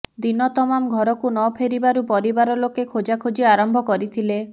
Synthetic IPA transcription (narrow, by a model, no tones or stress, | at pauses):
d̪inɔt̪ɔmamɡʱɔɾɔkunɔpʰeɾibaɾupɔɾibaɾɔlokekʰod͡ʒakʰod͡ʒiaɾɔmbʱɔkɔɾit̪ʰile